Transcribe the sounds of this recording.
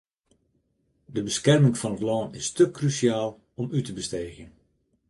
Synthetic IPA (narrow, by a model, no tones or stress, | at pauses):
dəbəskɛrmɪŋfɑnətlɔːnɪstəkrysjaːlˠ | ɔmytəbəsteːɣən